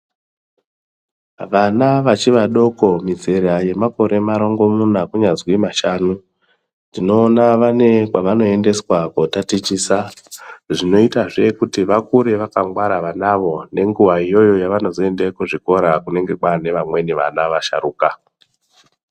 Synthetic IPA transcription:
ʋanaʋat͡ʃiʋaɗo̞ko̞mid͡ze̞ɾaje̞mako̞ɾe̞maɾo̞ŋɡo̞munakuɲazwimaʃaːnu | ndino̞ːnaʋane̞kwaʋano̞e̞nde̞swakotatit͡ʃiːsa | ʐino̞itaʐekutiʋakuɾe̞ʋakaŋɡwaɾaʋanaʋo̞ne̞ŋɡuwaijo̞jo̞jaʋano̞zo̞e̞ndekuʐiko̞ɾakune̞ŋɡe̞kwane̞ʋamwe̞niʋa̰naʋaʃa̰ɾuːka

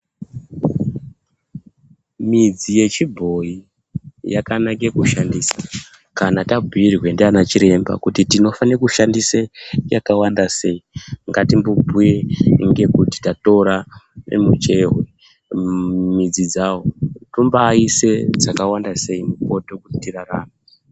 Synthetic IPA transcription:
mid͡zije̞t͡ʃibʱo̞i | jakanakekuʃandisḁ | kanatabʱuirwe̞ndeanat͡ʃiɾe̞mba̰kutitino̞fankuʃandisajakawandase̞iŋɡatimbobʱujeŋɡe̞kuti̥tato̞ɾanḛmut͡ʃe̞ɦe | mid͡zid͡zawotumbaise̞d͡zakawandase̞imuko̞to̞kuitiraraːnu

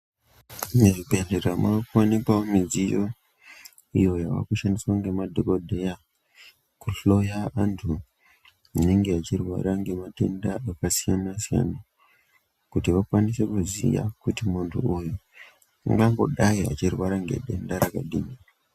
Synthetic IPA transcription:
neʐibe̞nderamakuanipaomid͡zijo̞ | ijo̞jaʋa̰kuʃandiswaŋɡe̞madʱoko̞dʱe̞ja | kuɬo̞jaantʰu | une̞ŋɡe̞at͡ʃirwa̰ɾaŋɡe̞matendaakasijanasija̰na | kutiʋakwanise̞kuzḭja̰kutimuntʰṵuju | a̰ŋɡaŋɡo̞̰ɗaia̰t͡ʃirwaɾaŋɡe̞̰ɗe̞̰ndaɾakaɗimi

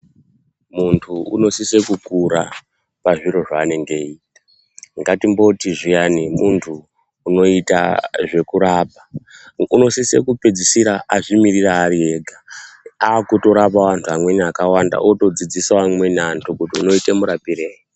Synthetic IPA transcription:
muntʰuṵno̞sisekukuɾa̰ | paʐiɾo̞ʐaːne̞ŋɡe̞iːtḁ | ŋɡatimbo̞tiʐijanimuntʰuː | no̞ita̰ʐe̞kuɾapa | uno̞sise̞̰kuped͡zisiɾaʔaʐimiriraːɾie̞ɡʱaaːkuto̞ɾapaʋantʰuamwe̞niakawanda̰ʔoto̞d͡zid͡zisaamwe̞niantʰukutiuno̞itemuɾapireːji

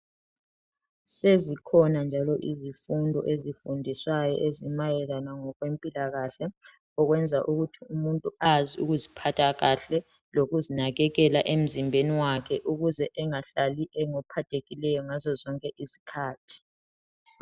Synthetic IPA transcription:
sezikʰɔnand͡ʒʱalɔʔizifundʱɔ̰ʔezifundʱiswajɔ̰ʔezimajɛlanaŋɔɣwempʼilaɣaɬɛ | ɔɣwɛnd͡zʱaʔuɣutʰiumuntʼuaziṵɣuzipʰatʰaɣaɬɛ | loɣuzinaɣɛɣɛlaʔem̩zimbʱeniwakʰɛʔuɣuzɛʔɛŋaɬaliʔɛŋɔpʰatʰʼeɣilɛjɔŋazɔzɔŋkʼɛʔisi̥kʰaːtʰi̥

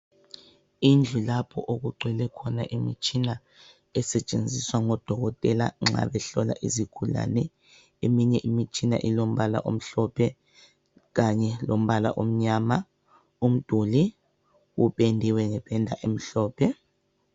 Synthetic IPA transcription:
ind͡ɮʱulapʰɔ̰ʔoɣuǃʱwɛlɛkʰɔna̰ʔimit͡ʃʼina | ɛsɛt͡ʃʼend͡zʱiswaŋɔd̥ʱɔɣɔtʼɛla̰ŋ͡ǁa̰ɓɛɬɔla̰ʔizikʰula̰nɛ | emiɲɛʔimit͡ʃʼina̰ʔilom̩βala̰ʔom̩ɬɔpʰɛ | ɣaɲɛlom̩βala̰ʔom̩ɲama | um̩d̥ʱuli | uɓendʱiwɛŋɛɓʱɛndʱaʔem̩ɬɔːpʰɛ

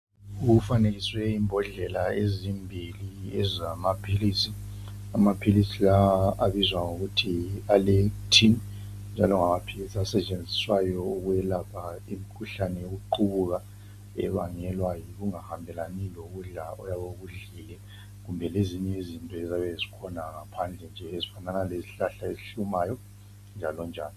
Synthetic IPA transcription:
uɣufaneɣiswɛimbʱɔɮɛlaezimbʱiliɛzamapʰilisi | amapʰilisilaaβizwaŋoɣutʰialetʰin | nd͡ʒʱalɔŋamapʰilisiasɛt͡ʃʼend͡zʱiswajɔuɣujɛlapʰaimikʰuɬanɛjoɣuǃuβuɣa | ɛ̰βaŋɛlwajiɣuŋahambʱɛlaniloɣuɮaɔjaβoɣuɮiːlɛ | ɣumbʱɛleziɲɛizintʼɔɛzaβɛzikʰɔnaŋapʰand͡ɮʱɛnd͡ʒʱɛezifananaleziɬaɬaeziɬumaːjɔ | nd͡ʒʱalɔnd͡ʒʱaːni

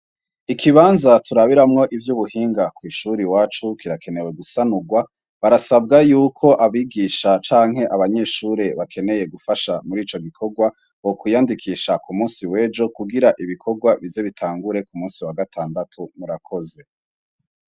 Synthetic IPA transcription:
ikʰiβaːnzatuɾaβiɾamŋo̞ʔivjuβuhiːŋɡakwiːʃuɾiwaːt͡ʃukiɾake̞ne̞we̞ɡusanuɡwa | βaɾasab̚ɡajuːkʰo̞ʔaβiːɡiːʃat͡ʃaːŋ̥ɦe̞ʔaβaɲe̞ːʃuɾeβakʰe̞ne̞je̞ɡufaʃamuɾiːt͡ʃo̞ɡikʰo̞ɡwa | okujaːndikʰiːʃakumuːsiwe̞ːd͡ʒo̞kuɡiɾaʔiβikʰo̞ɡwaβize̞βitʰaːŋɡuɾe̞kumuːnsiwaɡatʰaːndatʰumuɾakʰo̞ze̞

